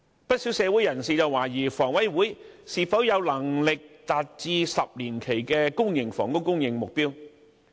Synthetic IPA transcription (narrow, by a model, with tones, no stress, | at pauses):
pɐ˥t̚siː˨˥wsɛː˨˧wu˨˥jɐ˨˩nsiː˨t͡sɐ˨waː˨˩jiː˨˩fɔː˨˩ŋwɐ˨˥jwuː˨˥jsiː˨˧fɐ˨˥wjɐ˨˧wlɐ˨˩ŋlɪ˨k̚t̪aː˨t̚t͡siː˧sɐ˨p̚liː˨˩nkʰe˨˩jkɛː˧kʊ˥ŋjɪ˨˩ŋfɔː˨˩ŋkʊ˥wkʊ˥ŋjɪ˨ŋmʊ˨k̚piː˥w